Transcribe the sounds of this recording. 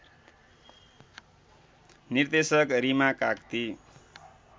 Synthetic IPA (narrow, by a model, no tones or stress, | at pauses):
nird̪esʌkrimakakt̪i